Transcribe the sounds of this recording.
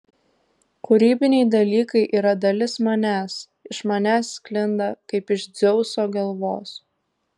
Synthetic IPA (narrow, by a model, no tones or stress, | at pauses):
kʊɾʲiːbʲɪnʲɛɪd̪ɐlʲiːkɐɪʔiːɾɐd̪ɐlʲɪsmɐnʲæːs | ɪʃmɐnʲæːsːʲklʲɪnd̪ɐkɐɪpɪʃd̪zʲɛʊsoːɡɐlˠʋo̰ːs